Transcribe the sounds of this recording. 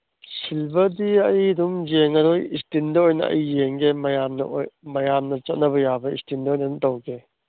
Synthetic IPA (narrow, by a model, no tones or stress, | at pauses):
silbɐdiɐjdumjeŋɐɾojistindɐojnɐ̰ɐ̰jjeŋɡemɐjamnɐ̰mɐjamnɐt͡ʃɐt̚nɐβɐjabɐḭstindɐojnɐnutawɡe